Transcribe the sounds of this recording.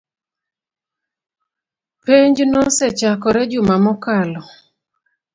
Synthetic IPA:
peɲd͡ʒnɔsɛt͡ʃakɔɾɛd͡ʒʊmamɔkalɔ

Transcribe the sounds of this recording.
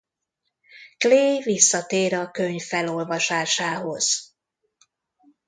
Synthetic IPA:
kleːvisːɒt̪eːɾɒkøɲfːɛlo̞lvɒʃaːʃaːɦo̞z̥

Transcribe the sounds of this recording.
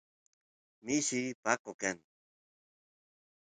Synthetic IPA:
miʃipakokan

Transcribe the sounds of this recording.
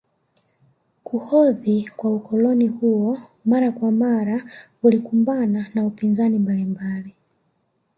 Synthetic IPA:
kʰuhɔðikwaukɔlɔnihuɔmaɾakwamaɾa | ulikumbananaupinzanimbalimbali

